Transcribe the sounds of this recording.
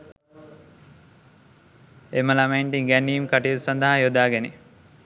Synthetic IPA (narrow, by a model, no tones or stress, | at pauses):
eməlamaiɳʈiŋɡænːiːimkaʈilsand̪ɐɦajod̪aːɡene